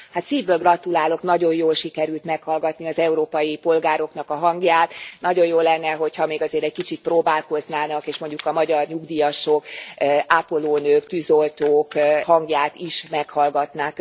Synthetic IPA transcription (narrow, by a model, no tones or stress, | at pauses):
hat̪siːvbøːlɡrɒt̪ulaːlo̞knɒɟo̞jjoːlʃikɛɾylt̪mɛkhɒlɡɒt̪niɒzɛuɾoːpɒjipo̞lɡaːɾo̞knɒkɒɦɒŋɡjaːt̪nɒɟo̞joːlːɛnːɛɦochɒmeːɡɒzeːɾɛc̚kit͡ʃit̪̚proːbaːlko̞znaːnɒkeːʃmo̞ɲɟukɒmɒɟɒrɲuɡd̪ijɒʃokaːpo̞loːnøːkt̪yzolt̪oːkhɒŋɡjaːt̪iʃmɛkhɒlɡɒt̪naːk